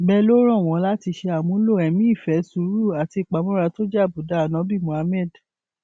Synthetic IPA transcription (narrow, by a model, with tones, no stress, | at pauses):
bɛ˦lo˦ɾ̃ɔ̃˦˨w̃ɔ̃˨˦la˦ti˧ʃe˧a˨mũ˨˦lo˦˨ɛ˨mĩ˦i˦˨fɛ˨˦su˨˦ɾu˦˨a˨ti˧˨k͡pa˨˦mɔ̃˦ɾa˧to˦d͡ʒa˦˨bu˨˦da˨˦˨nã˨˦bi˦˨mũ˨a˧˦mɛ˦˨d